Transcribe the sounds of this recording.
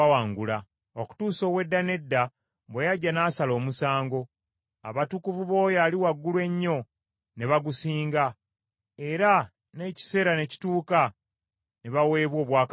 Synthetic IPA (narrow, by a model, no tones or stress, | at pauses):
awaːŋɡula | oku̥tuːso̞ːwe̞dːane̞dːa | bwejaɟːanaːsalo̞ːmusaːŋɡo̞ | a̰βatukuvuβo̞ːjaːliwaɡːulwe̞ɲːo̞ | ne̞βaɡusiːŋɡa | e̞ɾa | ne̞ci̥se̞ːɾane̞ci̥tuːka | neβawe̞ːβwo̞ːβwaːk